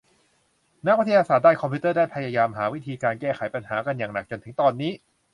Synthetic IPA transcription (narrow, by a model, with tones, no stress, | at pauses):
na˦˥wi˦˥t̪ʰːa˧saː˨˩t̪̚daː˥˩kʰɔ˧pʰi˦˥t̪ɤː˥˩daː˥˩jpʰa˧jaː˧jaː˧mɦaː˩˦wi˦˥t̪ʰiː˧kaː˧nkɛː˥˩xʰa˩˦jpa˧nɦaː˩˦ka˧njaː˨˩ŋna˨˩k̚t͡ɕo˧nt̪ʰɯ˩˦t̪ɔː˧nːiː˦˥